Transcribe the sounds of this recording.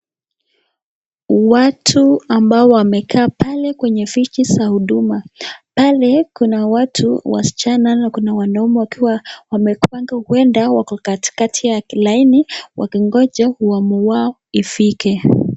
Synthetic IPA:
watʰuambaɔwamɛkʰaːpalɛkwɛɲɛfit͡ʃisahuɗumapalɛkunawatʰuwa̰si̥t͡ʃananakunawanaumɛwakiwawamɛkwaŋɡahuɛndawakati̥katʰijakilainiwʔa̰kiŋɡɔd͡ʒahuwamuwa | ifikɛ

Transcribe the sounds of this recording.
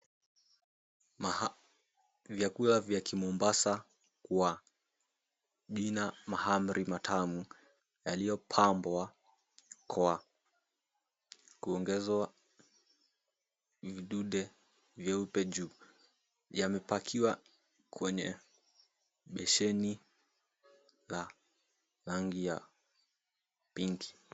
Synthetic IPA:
m | vjakulavjakimɔmbasa | kwa | ʄinamaham̩ɾʔimatʰamu | jalijɔpʰambwa | kʰɔwa | kuɔŋɡɛzwa | viɗuɗɛ | vjɛupɛʄuː | jamɛpakʰiwa | kʰwɛɲɛ̰ | ɓɛʃɛni | la | laŋɡija | piŋɡi

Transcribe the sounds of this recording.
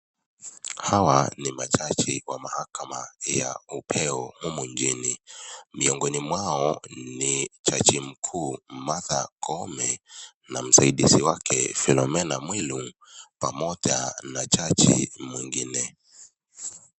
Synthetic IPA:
hawanimat͡ʃat͡ʃiwamahakamaja̰upʰɛɔhumuɲd͡ʒinimiɔŋɡɔnimwaɔnit͡ʃat͡ʃim̩kʰuːmaðakʰɔmɛ | nam̩saiɗisiwakʰɛ̰filɔmɛnamwilu | pamɔʄa̰nat͡ʃat͡ʃḭmwiŋɡinɛ

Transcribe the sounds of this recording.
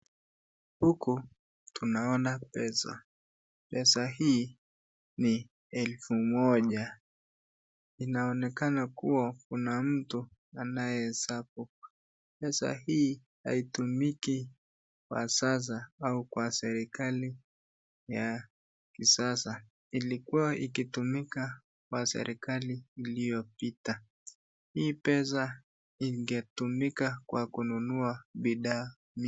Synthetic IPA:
huku | tunaɔnapɛsa̰ | pɛsahiː | ni | ɛlfumɔʄa | inaɔnɛkanakuwakunam̩tu | anajɛsapu | pɛsa̰hiː | ha̰itumiki | kwa̰sas̬aaukwasɛɾikali | ja | kisasa | ilikuwaʔikitumika | kwasɛ̰ɾʔikaliːlijɔpita | hiːpɛs̬a | iŋɡɛtumikakwakununuaɓiɗaː | m

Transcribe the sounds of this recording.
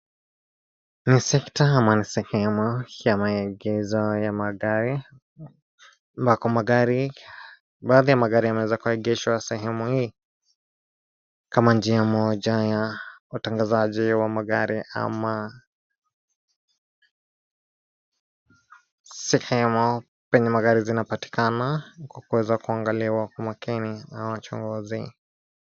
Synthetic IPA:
nisɛktaamanisɛhɛmujamaɛɡɛzɔjamaɡaɾi | mbakɔmaɡaɾi | baːðijamaɡaɾiamɛwɛzakuaiɡɛʃwasɛɦɛmuhiː | kamand͡ʒiamɔʄajautaŋɡazaʄiwamaɡaɾia̰ma | sɛhɛmu | pɛɲɛmaɣaɾizinapati̥kanakwakuwɛzakuaŋɡaliwakwamakiniawat͡ʃɔ̰ŋɡɔzi

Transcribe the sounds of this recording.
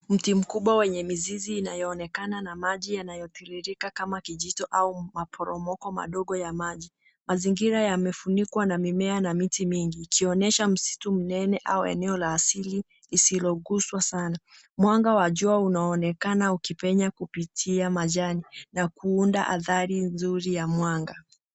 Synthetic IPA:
m̩tim̩kuɓwawɛɲɛmiziziːnajɔːnɛkananamaʄijanajɔpiliɾikakamakiʄitɔʔaumapʰɔɾɔmɔkɔma̰ɗɔɠɔjamaʄi | maziŋɡiɾajamɛfunikwanamimɛanamitimiŋɡiːkʰiɔnɛʃam̩si̥tum̩nɛnɛʔauɛ̰nɛɔlaːsili | lisilɔɠuswasana | mwaŋɡawaʄuaunaːnɛkanaukipɛɲakupitʰiamaʄaninakʰuundaʔa̰ðaɾinzuɾijamwaŋɡa

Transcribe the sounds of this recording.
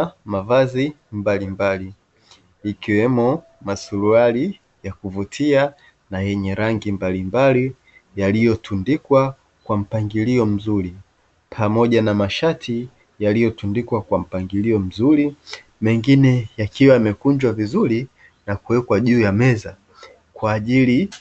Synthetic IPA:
mavazimbalimbali | ikiwɛmu | masuluali | jakuvutʰia | najɛɲɛɾaŋɡimbalimbali | jalijɔtʰundikwa | kwam̩paŋɡiliɔm̩zuɾi | pʰamɔʄanamaʃatʰi | jalijɔtundikwakwam̩paŋɡiliɔm̩zuɾi | mɛŋɡinɛjakiwaimɛkuɲd͡ʒwavizuɾi | nakuwɛkwaʄuːjamɛza | kwaːʄili

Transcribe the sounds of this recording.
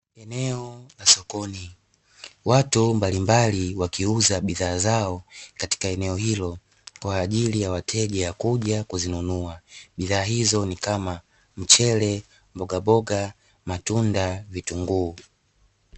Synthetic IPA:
ɛnɛɔlasɔkɔni | watumbalimbaliwakiuzaɓiðaːzaɔkati̥kaɛnɛɔhilɔ | kwaːʄilijawatʰɛʄɛakuʄakuzinunuaɓiðaːɦizɔnikama | m̩t͡ʃɛlɛ | mbɔɡabɔɡa | matundavituŋɡuː

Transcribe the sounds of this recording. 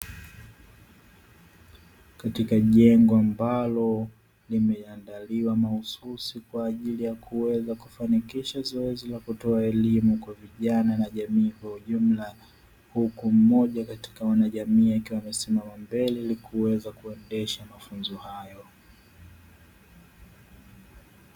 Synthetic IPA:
katikaʄɛŋɡɔambalɔ | limɛandaliwamahususikwaːʄilijakuwɛzakufanikiʃazɔɛzilakutɔaɛlimukwaviʄananaʄamiːkwauʄum̩la | hukum̩mɔʄakati̥kawanaʄamiːakiwamɛsimamambɛlɛlikʰuwɛzakuɛndɛʃamafunzɔhajɔ

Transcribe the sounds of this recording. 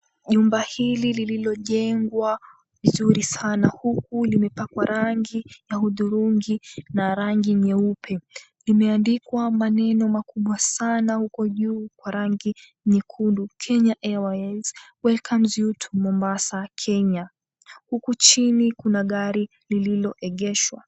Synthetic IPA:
ʄumbahililililɔʄɛŋɡwa | vizuɾisanahukulimɛpakwaɾaŋɡijahuðuɾuŋɡinaɾaŋɡiɲɛupʰɛ | limɛandikwamanɛnɔmakuɓwasanahukɔʄuːkwaɾaŋɡi | ɲɛkʰundukʰɛɲaʔɛaɛlzwɛlkʰamzjutʰu̥mɔmbasakʰɛɲa | hukut͡ʃinikunaɠaɾi | lililɔʔɛɠɛʃwa̰

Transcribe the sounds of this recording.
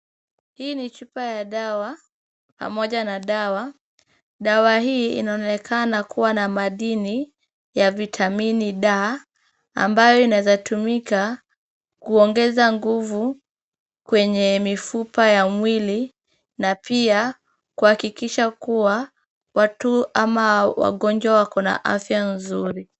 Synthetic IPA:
hiːnit͡ʃupajaɗawa | pa̰mɔʄanaɗawa | ɗawaɦiːḭnaɔnɛkʰanakuwanamaɗini | javitʰaminiɗaː | a̰mbajɔinawɛzatumika | kuɔŋɡɛzaŋɡuvu | kwɛɲɛmifupajamwili | napia | kuhakikiʃakuwa | watuamawa̰ɠɔnd͡ʒwawakɔna̰ʔafjanzuɾi

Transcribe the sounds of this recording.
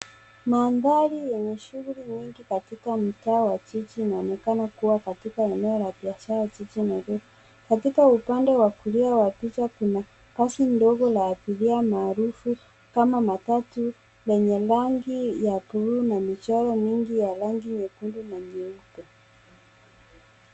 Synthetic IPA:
maːndalijɛɲɛʃuɣuliɲiŋɡikatikam̩taːwat͡ʃit͡ʃiːnaɔnɛkanakuwakatikaɛnɛɔlaɓiaʃaɾaat͡ʃit͡ʃinavɛ | katikaupandɛwakuɾiawapit͡ʃakuna | kasindɔɣɔlaːpiliamaːɾufu | kamamatatu | lɛɲɛlaŋɡijapuɾunamit͡ʃaɾɔmiŋɡijalaŋɡiɲɛkundunaɲiupu

